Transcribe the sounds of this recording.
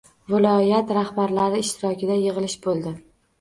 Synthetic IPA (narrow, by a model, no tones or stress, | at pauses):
vɪlˠɒjat̪ɾahbaɾlaɾɪɪʃt̪ɪɾɒkʲɪd̪ajɨʁɨlɪʃbolˠd̪ɪ